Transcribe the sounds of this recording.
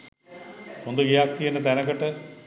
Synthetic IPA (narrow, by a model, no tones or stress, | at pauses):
hond̪uɡejak̚t̪ijenət̪ænəkəʈə